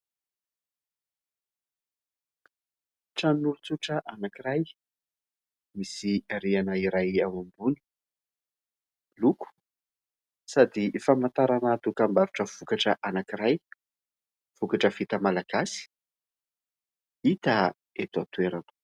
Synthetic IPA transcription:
ʈ͡ʂannulut͡suʈ͡ʂəʔanakiɾaj | misiaɾianəiɾajawambuni̥ | luku̥ | sad̪ifamant̪aɾanat̪ukambaɾuʈ͡ʂəv̥ukaʈ͡ʂəʔanakiɾaj | v̥ukaʈ͡ʂəv̥it̪əmalaɡ̥asi̥ | it̪a | et̪uat̪ueɾan̥

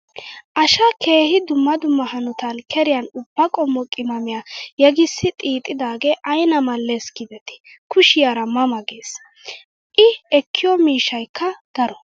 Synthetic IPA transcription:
ʔɐʃɐkʰe̞ːhɪd̪ʊmːɐd̪ʊmːɐhɐnɔt̪ɐnkʰɛɾɪjɐnʊbːɐkʼɔmːɔkʼɪmɐmɪjajɛɡɪsːɪt̪ʼiːt̪ʼːɪd̪aːɡeːʔɐjnɐmɐlːeskɪd̪ɛt̪ɪ̥ | kʰʊʃɪjaɾɐmɐmɐɡe̞ːs | ʔɪɛkʰːɪjɔmiːʃɐjkːɐɡ̥ɐɾɔ

